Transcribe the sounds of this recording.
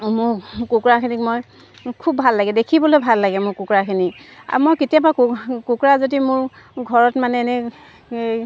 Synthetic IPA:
mʊɹkukɹakʰinikmoj | kʰubʱalːaɡɛdekʰibɔlojbʱalːaɡɛmʊɹkukɹakʰinika̰mojketijabakkukɹazodimʊɹ | ɡʱɔɹɔtmanɛnɛ

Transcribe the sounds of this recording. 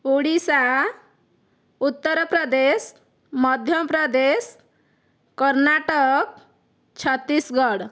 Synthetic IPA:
uɽisã | ut̪ːəɾpɾəd̪es | məd̪ʱjəpɾəd̪es | kəɾnaʈək | t͡ʃʰət̪ːisɡəɽ

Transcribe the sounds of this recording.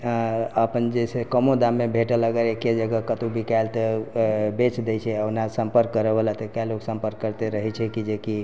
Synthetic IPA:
əpənd͡ʒesekəmõd̪amːebʱeʈələɡəɾeked͡ʒəɡəkət̪ubʱikajlt̪əbet͡ʃd̪ɛt͡ʃʰɛənasə̃mpəɾkːəɾəbəlat̪əkaloksə̃mpəɾkːəɾt̪eɾəɦɛt͡ʃʰɛkid͡ʒeki

